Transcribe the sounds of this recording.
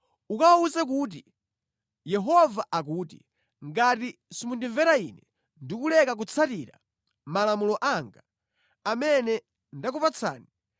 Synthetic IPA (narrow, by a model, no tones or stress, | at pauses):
ukawauzɛk̬uːt̬i | jɛɦɔvaʔak̬uːtḭ | ŋɡatisimundiɱvɛɾaḭnɛ | ndikulɛkak̬ut͡sʰatiɾa̰ | malamulɔʔaŋɡa | amɛnɛ | ndakupat͡sʰa̰ːni